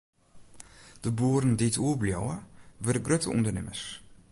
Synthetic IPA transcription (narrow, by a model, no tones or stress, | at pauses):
d̥əbuːəɾənditʰuəbljowəʋødəɡrøtə̰ʔṵndənɪməs